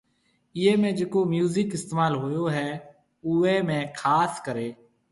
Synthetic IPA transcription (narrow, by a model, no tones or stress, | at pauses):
ɪeːmẽːd͡ʒeːkoːmjuːzɪkɪst̪eːmaːlɦʊːjoːɦɛː | ʊueːmẽːkʰaːskəɾeː